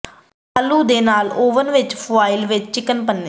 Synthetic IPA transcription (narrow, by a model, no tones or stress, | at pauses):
əluːd̪eːnaːloːʋənʋɪt͡ʃpʰʊaːɪlʋɪt͡ʃt͡ʃɪkːənpənːe